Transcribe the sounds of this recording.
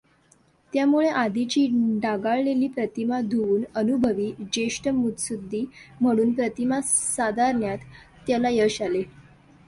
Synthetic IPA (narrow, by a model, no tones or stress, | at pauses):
t̪jamuɭeʔad̪it͡ɕiːɖaɡaɭleliːpɾət̪imad̪ʱuuːnənubʱəʋiːd͡ʑeʂʈəmut̪sud̪ʱːiːm̤əɽ̃uːnpɾət̪imasad̪aɾɳjat̪ː | jalajəɕale